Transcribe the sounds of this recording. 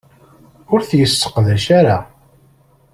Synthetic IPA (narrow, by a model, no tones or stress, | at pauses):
ʊɾθjəsːə̥qðæʃaɾa